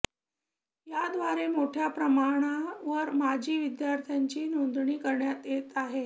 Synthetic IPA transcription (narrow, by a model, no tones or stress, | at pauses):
jad̪ʋaɾemoʈʰjapɾəmaɽ̃aʋəɾmad͡ʑʱiːʋid̪jaɾt̪ʰjaɲt͡ɕiːnond̪ɳiːkəɾɳjat̪jet̪aɦe